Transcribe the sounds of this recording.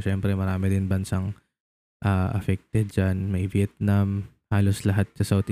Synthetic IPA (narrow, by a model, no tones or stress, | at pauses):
ʃɛmpɾɛmɐɾaːmɪdɪnbɐnsaŋ | ʔaːʔɐ̰fɛk̚t̪ɛd̪̚d͡ʒanmɐjvjɛt̪̚nam | haːloslɐɦat̪̚sɐsawt̪